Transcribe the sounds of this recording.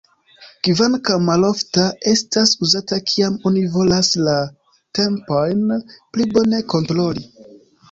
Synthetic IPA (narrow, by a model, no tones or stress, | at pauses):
kivankamalo̞ftae̞stasuzatakʰiamo̞nivo̞lasla | te̞mpo̞jnplibo̞ne̞ko̞ntɾo̞li